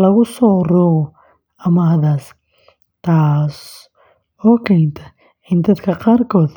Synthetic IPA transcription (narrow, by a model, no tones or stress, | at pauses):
lɐɣʊsɔːruɣɔ | ɐmɐɦɐðaːs | t̪ʰaːs | ɔːkʰɛnt̪ʰɐ̥ | ɪnd̪ɐd̪kʰɐqɑːrkʰɔːd̪